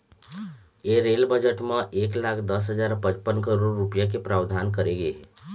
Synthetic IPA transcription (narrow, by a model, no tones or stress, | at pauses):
eɾelbəd͡ʒəʈmãʔeklakʰd̪əsɦəd͡ʒaɾpət͡ʃpənkəɾoɾːupjak̬epɾaʋd̪ʱankəɾeɡeɦɛ